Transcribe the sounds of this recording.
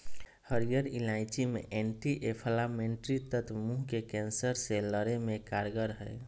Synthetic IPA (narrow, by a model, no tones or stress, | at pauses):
həɾijəɾilaɪt͡ʃimeʔeɳʈiʔepʰəlameɳʈɾit̪ət̪ʰmuɦkekɛ̃nsəɾseləɾemẽkaɾɡəɾɦɛ